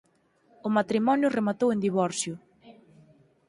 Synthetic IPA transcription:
ʊmat̪ɾimɔnjʊremat̪owend̪iβɔɾsjʊ

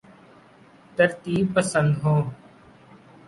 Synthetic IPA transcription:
t̪əɾt̪iːb̚pəsə̃nd̪ɦõː

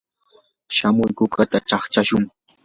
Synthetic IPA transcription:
ʃamʊjkʊkat̪at͡ʃɑχt͡ʃaʃʊŋ

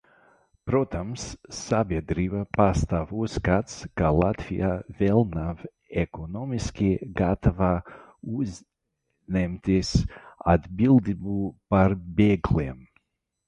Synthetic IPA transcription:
pɾot̪amsːabʲiɛd̪ɾivapast̪avusɡat̪skalˠat̪vʲijavʲɛlˠnav | ɛkonɔmiskʲiɡat̪ava | uz | nʲɛmt̪ʲisad̪bilˠd̪ibupaɾbeːɡlʲem

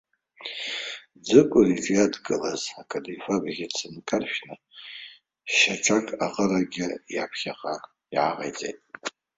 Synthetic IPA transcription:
d͡zɨkʷʼʊriʈ͡ʂʼjadɡɨlazakʰʼadifabɣʲit͡sʰɨnkʰʼarʃᶣnɨ | ʃaʈ͡ʂʰakʼaqʼəɾaɡʲɪjapʰχʲaqʼa | iʕa̰ʁʼḛjd͡zʼḛjtʼ

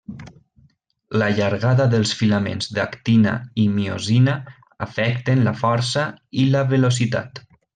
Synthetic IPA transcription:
ləʎaɾɣaðəðəlˠsfilamḛnzðakt̪ina̰imio̰zina | əfɛkt̪ənləfɔɾsailəβəlos̬it̪a̰t̪

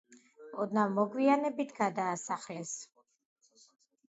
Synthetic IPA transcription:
ɔd̪navmɔɡwianɛbit̪ʰɡad̪aːsaχlɛs

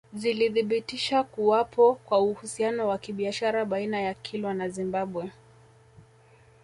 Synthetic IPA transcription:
ziliðiɓitiʃakuwapɔkwauhusianɔwakiɓiaʃaɾaɓainajakʰilwanazimbaɓwɛ

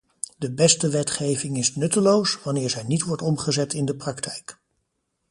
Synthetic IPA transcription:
dəbɛstəʋɛtχejvɪŋɪsnɵtəlowsʋɑnɪːɹzɛjnitʋɔɹtɔmχəzɛtɪndəprɑktʰɛjk

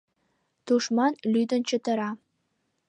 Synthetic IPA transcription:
t̪uʂmɑnlʲyd̪ɘ̆nt͡ɕɘ̆t̪ɤ̆ɾɑ

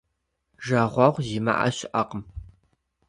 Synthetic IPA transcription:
ʒaʁʷɑʁʷziːma̰ʔɐ̰ɕɪʔɐqəm

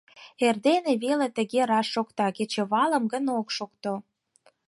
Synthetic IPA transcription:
erd̪eneβelet̪ə̆ɣeɾɑʃːokt̪ɑket͡ɕeβɑlə̆mɡənokʃokt̪o

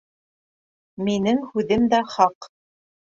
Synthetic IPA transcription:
minɘŋhʉðɘmd̪æχɑq

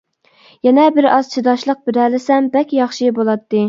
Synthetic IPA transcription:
jɛnɛbɪɾɑz̥t͡ʃʰid̪ɑʃlˠəq̚bɪɾælɪsɛmbɛkʲjɑχʃibolˠɑt̪ːɨ

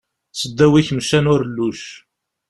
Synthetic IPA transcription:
səd̪ːæwiçmʃænʊɾlːuʃ

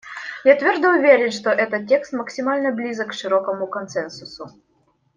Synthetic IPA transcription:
jat̪vʲord̪əuvʲeɾʲɪnʂt̪oʔɛt̪ət̪̚tʲːekst̪məksʲimalʲnəblʲizəkʂɨɾokəmukonsɛnsusu

